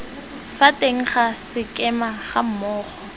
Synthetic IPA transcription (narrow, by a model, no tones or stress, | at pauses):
fatʼeŋ̩χasɪkʼɛmaχam̩mɔːχɔ